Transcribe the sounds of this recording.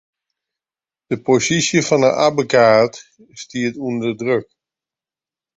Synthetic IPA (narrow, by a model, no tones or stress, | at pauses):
d̥əposisjəfɔnə̰ʔa̰bəkaːt | stiətundədrøk̚